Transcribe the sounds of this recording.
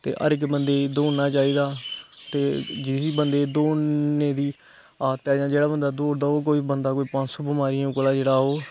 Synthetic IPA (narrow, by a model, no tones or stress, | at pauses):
t̪ḛːʔə̰ɾɪkbənd̪eːd̪oːnnaːt͡ʃaːiːd̪aːt̪eːd͡ʒɪiːbənd̪eːd̪oːnẽːd̪iː | aːt̪ɛːd͡ʒãːd͡ʒeːɽaːbənd̪aːd̪oːɾd̪aːoːk̬oːiːbənd̪aːkoːiːpãnd͡ʒsoːbəmaːɾɪãũːklaːd͡ʒeːɽaːɦoː